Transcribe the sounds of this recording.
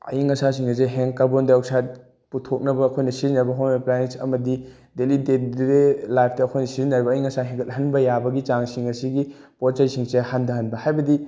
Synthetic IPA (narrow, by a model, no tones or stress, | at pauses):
ɐ̰iŋɐsasiŋɐzeɦeŋkabondaawsat̚ | putʰok̚nɐbɐːkʰojnɐsizinɐɾbɐɦonɐplanesɐmɐdi | delidet̚delajpʰtɐːkʰojnɐsizinɐɾibɐːjiŋɐsaɦeŋɡʰɐt̚ɦɐnbɐjabɐɡit͡ʃaŋsiŋɐsiɡi | poɾt͡ʃɐjsiŋsehandɐɦɐnbɐhajbɐdi